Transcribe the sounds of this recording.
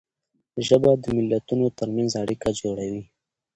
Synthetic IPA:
ʒəbad̪əmɪlːat̪unot̪əɾmanzaɽikad͡ʒoɽawi

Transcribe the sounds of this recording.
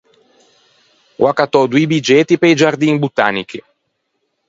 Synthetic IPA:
wʔakat̪ɔd̪uibid͡ʒɛt̪ipeid͡ʒard̪inbut̪aːniki

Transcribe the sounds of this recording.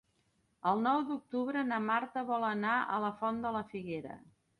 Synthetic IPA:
əlˠnɔwd̪uk̚t̪uβɾənəmaɾt̪əβɔlˠənaʔə̰ləfɔnd̪ələfiɣeɾə̰

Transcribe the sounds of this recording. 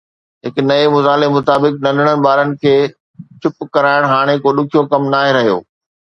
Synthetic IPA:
ɦɪknɐemʊzaːlemʊt̪aːbɪknɐ̃ndʱɪɽ̃ənɪ̆baːɾənɪ̆kʰeː | t͡ɕʰʊpkɐɾaːɪɽ̃ɦaːɽ̃ekoːɗʊkʰijokɐmnaːɦeɾɐɦijo̰ː

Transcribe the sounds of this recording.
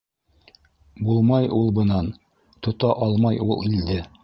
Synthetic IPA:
bulˠmɑjʔulˠbɤ̆nɑn | t̪ŏt̪ɑʔɑlˠmɑjulˠild̪ɘ

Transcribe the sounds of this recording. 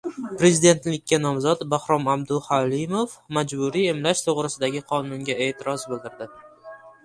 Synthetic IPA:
pɾe̞zɪd̪e̞nt̪lɪkʲːanɒmzɒt̪bahɾɒmabd̪ʊhalimofmad͡ʒbʊɾie̞mlaʃt̪ʰoʁɾɪsɪd̪aɡʲɪqʰɒnʊŋɡʲae̞ːt̪ʰɪɾɒsbɪld̪ɪɾd̪ɪ

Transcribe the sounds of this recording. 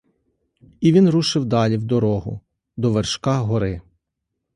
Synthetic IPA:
iʋʲinruʃɪwd̪ɑlʲiwd̪ɔɾɔɦʊ̰ | d̪ɔʋerʃkɑɦɔɾɪ

